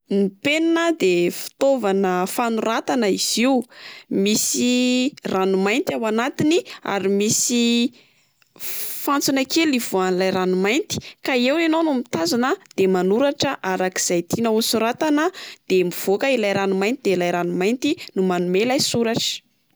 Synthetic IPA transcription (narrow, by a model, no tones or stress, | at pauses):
nipennəd̪efi̥t̪ovanəfanuɾat̪anəiz̥iumisiranumajnt̪awanat̪inia̰ɾimisi | fant͡sunakelivuanlajɾanumajnt̪i̥kaewnenonumit̪azanəd̪̥emanuɾaʈ͡ʂəʔaɾaki̥z̥ajt̪inəusuɾat̪anəd̪̥emiv̥okəilajɾanumajnt̪id̪elajɾanumajnt̪inumanumelajsuɾaʈ͡ʂə̥